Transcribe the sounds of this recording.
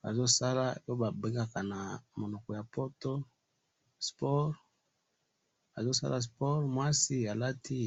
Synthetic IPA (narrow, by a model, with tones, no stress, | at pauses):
ba̰˨zo˦sa˦la˦˨˦o˦ba˨be˦ŋɡa˦ka˨na˨mo˨no˨kɔ˨ja˨po˦to˦ | spɔ˦ʁ | a˨zo˦sa̰˦la˦s̬pɔ˦ʁmwa˦si˦a˨la˦ti˦